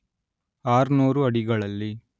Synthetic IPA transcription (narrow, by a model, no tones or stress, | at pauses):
aːɾnuːɾuɐɽiɡɐɭɐlːi